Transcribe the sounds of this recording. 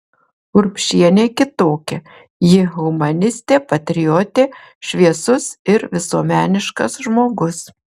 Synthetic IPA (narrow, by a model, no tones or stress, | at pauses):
ʊɾpʲʃʲiɛnʲeːkʲɪt̪oːkʲɛ | jɪɣʊmɐnʲɪsʲt̪ʲeːpɐt̪ʲɾʲɪjɔt̪ʲeː | ʃʲʋʲiɛsʊsɪɾʋʲɪsuɔmʲæːnʲɪʃkɐsʒmoːɡʊs